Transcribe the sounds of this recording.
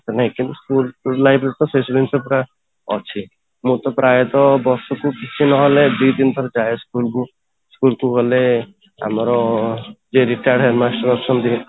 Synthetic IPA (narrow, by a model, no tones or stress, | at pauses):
t̪naɦĩkĩnt̪uskullajbɾet̪ɔsesd̪insɔpɾa | ɔ̰t͡ʃʰi | mũt̪ɔpɾaːjet̪ɔbɔɾsɔkukit͡ʃʰinɔɦɔled̪ujd̪int̪ʰɔɾd͡ʒajeskulku | skulkuɦole | a̰mɾɔ | d͡ʒeɾiʈaɖɦɛɾmasʈɔɾɔɾsɔnd̪ie